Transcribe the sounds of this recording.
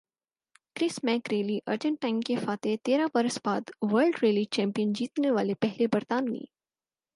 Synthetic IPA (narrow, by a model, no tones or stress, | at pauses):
kɾɪsmɛ̃ːkɾeːliʔɐɾd͡ʒə̃ɳʈaɪŋkefaːt̪et̪eːɾabɐɾəsbaːd̪ʋəɾlɖɾeːlit͡ʃɛ̃ːmpijənd͡ʒiːt̪neʋaːlepɛɦlebɐɾt̪aːnːḭː